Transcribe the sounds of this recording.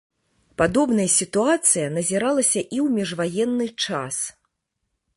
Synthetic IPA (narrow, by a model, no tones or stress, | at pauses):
pad̪ɔbnɐjɐsʲit̪uat̪sɨjɐnɐzʲiɾalˠɐsʲɐʔiwmʲɛʐvajɛnːɨt͡ʂa̰s